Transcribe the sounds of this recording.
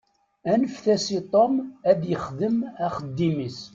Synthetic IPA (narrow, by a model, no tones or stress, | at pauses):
ænəfθæsit̪ˤomæðjəχðəmæχəd̪ːimis